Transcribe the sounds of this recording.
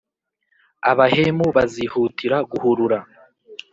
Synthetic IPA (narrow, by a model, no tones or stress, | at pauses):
aβahemuβazihutʰiɾaɡuhuɾuɾa